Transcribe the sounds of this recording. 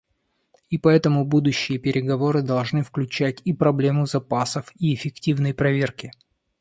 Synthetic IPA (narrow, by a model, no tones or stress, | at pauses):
ipɐɛt̪əmʊbud̪ʊɕːɪjəpʲɪɾʲɪɡɐvo̞ɾɨd̪ɐlˠʐnɨfklʲʉt͡ɕætʲipɾɐblʲe̞mʊzɐpasəfiɪfʲɪktʲivn̪əjpɾɐvʲe̞rkʲɪ